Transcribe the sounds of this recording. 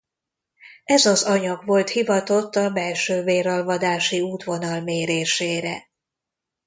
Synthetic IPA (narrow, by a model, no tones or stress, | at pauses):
ɛzɒzɒɲɒɡvo̞lt̪hivɒt̪o̞t̪ːɒbɛlʃøːveːɾɒlvɒd̪aːʃiuːt̪vo̞nɒlmeːɾeːʃeːɾɛ̰